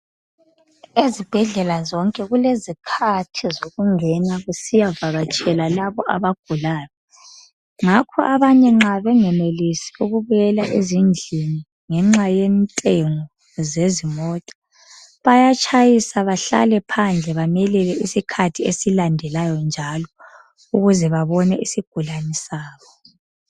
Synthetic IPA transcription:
ezib̥ʱɛɮɛlazɔŋkʼɛɣulezikʰatʰizoɣuŋɛnaɣusijavaɣat͡ʃʼɛlalaβɔʔa̰βaɡ̥ʱulaːjɔ | ŋakʰɔʔaβaɲɛŋ͡ǁaβɛŋɛmelisiuɣuβɛlaʔezind͡ɮʱini | ŋɛŋ͡ǁajɛntʼeŋɔ | zezimɔtʼḁ | βajat͡ʃʰʼajisaβaɬa̰lɛpʰand͡ɮʱɛβamɛlɛlɛisikʰatʰiesilandʱɛlajɔnd͡ʒʱalɔ | uɣuzɛβaβɔnɛʔisiɡ̥ʱulanisaːβɔ

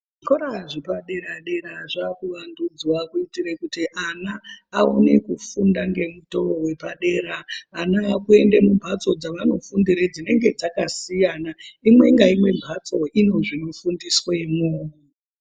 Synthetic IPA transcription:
ʐʐikoɾaʐipaɗe̞ɾaɗe̞ɾaʐakuʋandud͡zwakuitirekutiʔanaːone̞kufundaŋɡe̞muto̞owe̞paɗe̞ɾaːnaːkue̞ndemumbʱat͡so̞d͡zaʋano̞fundiɾed͡zine̞ŋɡe̞d͡zakasijanaimwe̞ŋɡaimwe̞mbʱat͡so̞ʔino̞ʐino̞fundiswe̞moː

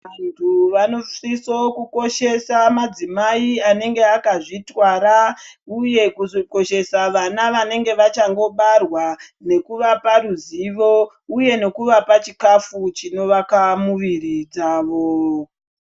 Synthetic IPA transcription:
ʋantʰuʋano̞fisokuko̞ʃe̞samad͡zimaiane̞ŋɡe̞akaʐitwaɾauje̞kuzoko̞ʃe̞saʋanaʋane̞ŋɡe̞ʋat͡ʃaŋɡo̞ɓarwa | ne̞kuʋaparuziʋo̞ | uje̞ne̞kuʋapat͡ʃikafut͡ʃino̞ʋakamuʋirid͡zaːʋo̞

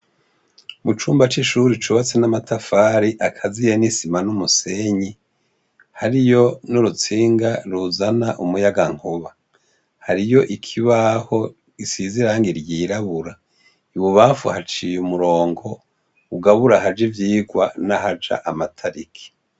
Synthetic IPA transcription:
mut͡ʃuːmbat͡ʃiʃuːɾit͡ʃuβat͡senamatʰafaːɾiʔakʰazijenisimanumuseɲi | haɾijo̞nuɾut͡siːŋɡaɾuzanaʔumujaɡaŋ̥oβa | haɾijo̞ʔikʰiβaho̞ | isiziɾaŋɡiɾjiːɾaβuɾa | iβuβaːfṵhat͡ʃijumuɾo̞ːŋɡo̞ | uɡaβuɾahad͡ʒivjiːɡwanahad͡ʒa̰ʔamatʰaɾikʰi̥

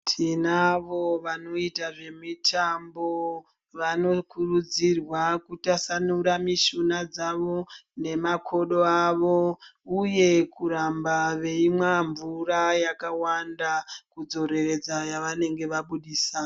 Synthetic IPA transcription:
tʰinaʋoʋano̞itaʐe̞mitʰambo̞ | ʋano̞kurud͡zirwakutasanuɾamiʃunad͡zaʋo̞ne̞makʰo̞ɗo̞aʋo̞uje̞kuɾambaʋe̞imwaɱvurajakawandakud͡zo̞ɾe̞re̞d͡zajaʋane̞ŋɡe̞ʋaɓuɗiːsa

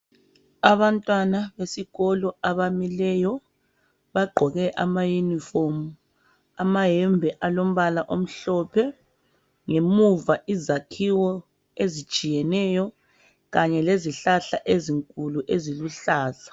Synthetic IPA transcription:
aβantʼwanaβesiɣɔlɔaβamilɛjɔ | βaɡ͡ǃʱɔɣɛʔamajunifomu | amaɦɛmbʱɛʔalom̩βalaʔom̩ɬɔpʰɛ | ŋemuvaʔizakʰiwɔ | ezit͡ʃʼijɛnɛjɔ | ɣaɲɛleziɬaɬaʔeziŋkʼuluʔeziluɬaːzḁ

